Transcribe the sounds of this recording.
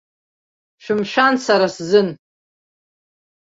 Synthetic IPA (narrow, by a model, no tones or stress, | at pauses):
ʃᶣɪmʃᶣansaɾaszɨn